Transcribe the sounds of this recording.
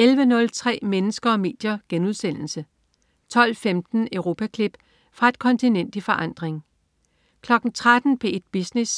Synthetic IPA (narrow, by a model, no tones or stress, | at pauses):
elʋənɔ̽lt͡sʰʁɛ̰ːmenəsɡ̥ɐɒ̽me̝̰ːd̥jɐɡ̥enuð̞ˠsen̰l̩sə | t͡sʰɒ̽l̰femd̥n̩œʊʁo̝ːpʰækʰlib̥ | fʁɑ̈e̝d̥̚kʰɒ̽nt͡sʰinen̰d̥ifɒ̽ʔɑ̈n̰d̥ʁeŋ | kʰlɒ̽ɡ̥n̩t͡sʰʁad̥n̩b̥ʰe̝ed̥̚b̥isnes